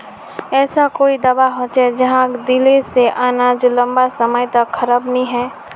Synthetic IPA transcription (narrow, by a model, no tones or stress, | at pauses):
ɛːsakoːid̪ɐbaɦot͡ʃɛd͡ʒɐɦãkd̪ɪliseʔaːnaːd͡ʒlɐ̃mbasɐməjt̪ɐkxʰɐɾabnɐɦĩɦɛː